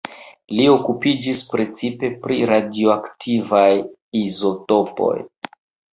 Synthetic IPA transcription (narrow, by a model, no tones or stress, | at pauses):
lio̞kupid͡ʒispɾe̞t͡sipe̞pɾiɾadioaktʰivaj | izo̞to̞po̞̰j